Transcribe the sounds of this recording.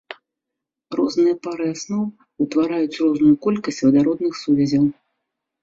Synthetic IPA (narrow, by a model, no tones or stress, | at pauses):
rɔznɨjɐpaɾɨasnɔw | ut̪vaɾajut͡sʲrɔznujukɔlʲkɐsʲt͡sʲvɐd̪aɾɔd̪nɨxsuvʲɛzʲɐw